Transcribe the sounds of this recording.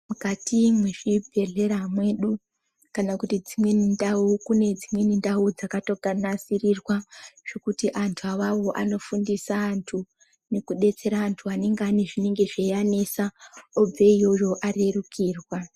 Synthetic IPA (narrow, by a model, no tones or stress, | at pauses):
mukatimweʐibʱe̞ɮe̞ɾamwe̞ɗu | kanakutid͡zimwe̞nindaukune̞d͡zimwe̞nindaud͡zakato̞ɡanasirirwaʐ̥e̞kutiʔantʰuawawo̞ʔano̞fundisaːntʰu | ne̞kuɗe̞t͡se̞ɾaːntʰuane̞ŋɡeaneʐine̞ŋɡe̞ʐejanesaob͡veijo̞jo̞ʔare̞rukʰiːrwa